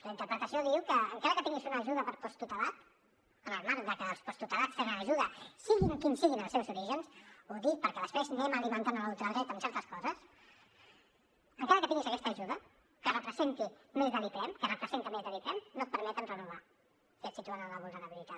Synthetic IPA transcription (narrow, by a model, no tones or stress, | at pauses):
ləint̪əɾpɾət̪əsioðiwkəːŋkaɾəkət̪iŋɡizunəːʒuðəpəɾpɔst̪ut̪alat̪ | ənəlˠmaɾ̚d̪əkəəlˠspɔst̪ut̪alat͡ssfeɾəəːʒuðəsiɣinkinsiɣinəlˠseβəzuɾiʒənsoðipəɾkɛðəspɾeznɛməlimənt̪anəlulˠt̪əɾðɛt̪əmsɛɾt̪əskɔzəs | əŋkaɾəkət̪iŋɡisəkɛst̪əːʒuðə | kərəpɾəzent̪imezðəlipɾɛmkərəpɾəzent̪əmezðəlipɾɛmnot̪̚pəɾmɛt̪ənrənuβ̞a | kɛt̪sit̪uanələβulˠnəɾəβilit̪a